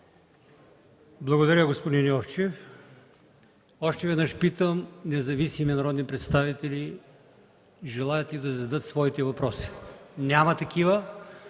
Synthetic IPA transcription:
blˠɐɡod̪ɐɾʲəɡospod̪injɔft͡ʃɛf | ɔʃt̪ɛvɛd̪nəʃpit̪əmnɛzɐvisiminɐɾɔd̪nipɾɛt̪st̪avit̪ɛli | ʒɛlˠajət̪id̪ɐzɐd̪ət̪svɔit̪ɛvɐpɾɔsi̥nʲamɐt̪ɐkivə

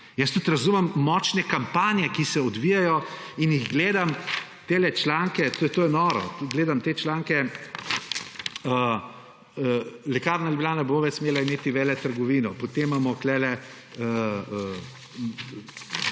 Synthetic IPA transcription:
jəst̪ut̪ɾɐzuːmɐmːɔːt͡ʃnɛkampaːnjɛkisɛɔd̪ʋijajɔinjiɣɡleːd̪amt̪eːlɛt͡ʃlaŋkɛt̪t̪oːjɛnɔɾɔ̰ɡleːd̪amt̪eːt͡ʃlaːŋkɛ | ə | əlɛkaɾnalʲublʲjaːnaboʋɛt͡ʃsmeːlaimeːt̪iʋɛːlɛt̪əɾɡɔʋiːnɔpot̪emːamɔklɛlɛ | əə

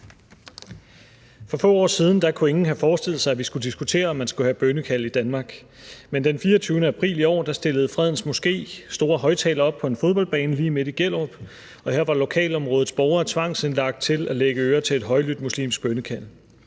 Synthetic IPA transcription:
fɒ̽fɔ̰ːɒ̰ːsiːð̞ˠn̩d̥ɑ̈kʰue̝ŋn̩ɦæfɒːsd̥e̝l̰ð̩ˠsɑ̈ɪæʋisɡ̥ud̥isɡ̥ut͡sʰe̝̰ːɐɒ̽mːænsɡ̥uhæb̥ønəkʰæl̰id̥ænmɑ̈ːɡ̥ | mend̥enfiːɐt͡sʰyːʊnəæpʰʁḭːliɒ̰ːd̥ɑ̈sd̥e̝ləð̞̩ˠfʁɛð̞̰ˠn̩smo̝sɡ̥e̝̰ːsd̥o̝ːɐɦɒ̽ɪt͡sʰɛ̰ːlɐɒ̽b̥̚pʰɒ̽e̝nfo̝ðˠbɒ̽l̰b̥ɛ̰ːnliːme̝d̥iɡ̥el̰ob̥ | ɒ̽heɐ̰ʋɑ̈lo̝kʰɛ̰ːlɒ̽mʁɔ̽ːð̩ˠsb̥ɒʊɐːt͡sʰʋɑ̈ŋ̰senlɑ̈ɡ̥̚d̥̚t͡sʰe̝læleɡ̥əøːɐt͡sʰe̝e̝d̥ɦɒ̽ɪlyd̥̚muslḭːmsɡ̥̚b̥ønəkʰæl̰

